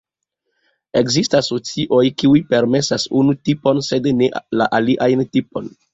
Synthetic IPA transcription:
e̞kzistasot͡siʔo̞jkiujpe̞ɾme̞sasunutipo̞nse̞dnelaʔaliʔajntipo̞n

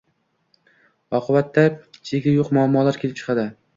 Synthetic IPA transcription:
ɒqʰɨbat̪ʰːat͡ʃʰeɡʲajoqmʊaːmːɒlaɾkʲʰe̞lɪp̚t͡ʃʰɨ̥qʰɑd̪ɪ

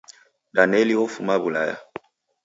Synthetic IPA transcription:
danɛliwofumabula̰ja̰

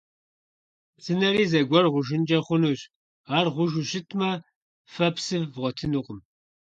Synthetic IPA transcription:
sɨnɐriːzɐɡʷɔrʁʷʊʒɪnd͡ʒɐχʷʊnuɕ | aːrʁʷʊʒʷʊɕɪtʰmɐ | fɐpsɨvvʁʷɔtʰɨnuqʷʊm

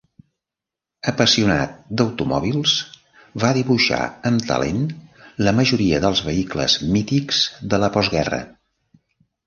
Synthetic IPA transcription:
əpəsiuna̰t̪̚d̪əwt̪umɔ̰β̞ilˠs | βaðiβuʃa̰əmt̪ə̰lḛnləməʒuɾiəðəlˠzβəiklə̰zmit̪ikz̥ðələpɔzɣɛrə̰

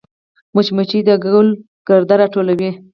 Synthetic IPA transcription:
mʊt͡ʃmət͡ʃid̪əɡwl | ɡ̥əɾd̪aɾɑʈolawi

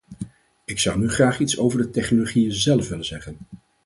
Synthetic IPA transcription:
ɪksʌwnyχraːχitsowvəɹdətɛχnoloχijəzɛlˠfʋɪlənzɛχən

